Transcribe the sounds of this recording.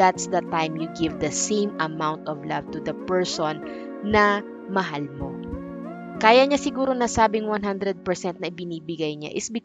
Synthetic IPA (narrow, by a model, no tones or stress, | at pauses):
at̪sd̪ɐt̪ãjmjuɡɪvd̪ɐsẽjmɐmawnt̪ɔvlɐvt̪ʊd̪ɐpɛɹsonː | ɐ | mɐɦalmo̞ | kaːjɐɲasɪɡuːɾonɐsaːbɪŋwanɦand̪ɾɛd̪̚pɛɹsɛnt̪̚nɐʔɪbɪniːbɪɡajɲa̰ʔɪsbɪ